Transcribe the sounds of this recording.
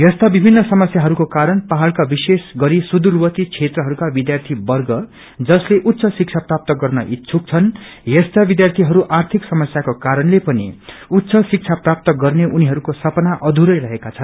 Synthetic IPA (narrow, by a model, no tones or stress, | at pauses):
jʌst̪abibʱinːʌsʌmʌsjaɦʌɾukokaɾʌnpaɦalkabisesɡʌɾisud̪uɾwʌt̪it͡sʰet̪rʌɦʌɾukabid̪jart̪ʰibʌrɡʌ | d͡zʌsleʔut̪ːsʰʌsik̚t͡sʰaprap̚t̪ʌɡʌrnʌʔit̪t͡sʰuk̚t͡sʰʌnjʌst̪abid̪jart̪ʰiɦʌɾuʔart̪ʰiksʌmʌsjakokaɾʌnlepʌnḭut̪ːsʰʌsik̚t͡sʰaprap̚t̪ʌɡʌrneʔuniɦʌɾukosʌpʌnaʔʌd̪ʱuɾʌjɾʌɦekat͡sʰʌn